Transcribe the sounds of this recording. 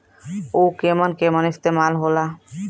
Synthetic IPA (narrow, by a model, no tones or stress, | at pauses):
ukemənkemənist̪emalɦola